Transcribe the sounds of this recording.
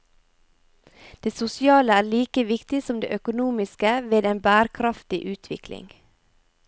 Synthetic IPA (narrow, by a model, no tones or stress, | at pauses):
d̪̥eːsʊsɪɑːləæːɭiːkəʋɪkt̪ɪsɔmd̪ḛːʔœkʊnuːmɪskəʋeːd̪eːnbæːɾkʰɾɑft̪ɪʔʉːt̪ʰʋɪ̰klɪ̰ŋ